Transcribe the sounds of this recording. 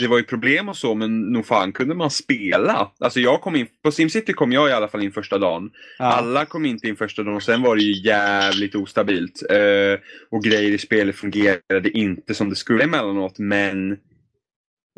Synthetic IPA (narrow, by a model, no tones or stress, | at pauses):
d̪ɛvaɾjɵpʰɾʊbleːmɔsɔmɛnːuːɡfaːnkʰɵnd̪əmanspeːlaʔalsɔjɑːɡ̚kʰɔmːɪnpɔsɪmsɪt̪ːɪkʰɔmːjɑːɡɪalːafalɪnːfœʂʈad̪ɑːnʔalːakʰɔmːɪnt̪əɪnfœʂʈad̪ɑːnɔsɛnvaɖɛjɵjæːvlɪk̚t̪uːst̪abiːlt̪ɛɔɡɾɛjːəɾɪspeːlət̪fɵŋɡeːɾad̪əʔɪnt̪əsɔmd̪ɛskɵlːəɪmɛlːanɔt̪mɛn